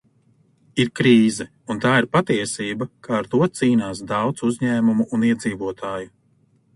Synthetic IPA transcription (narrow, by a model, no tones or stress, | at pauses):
iɾkɾiːzɛ | unt̪aːiɾpat̪iɛsiːbakʰaːɾt̪uɔt̪siːnaːs̬d̪ɑwt̪suzɲæːmumuʔːniɛd̪ziːvuɔt̪ʰaːju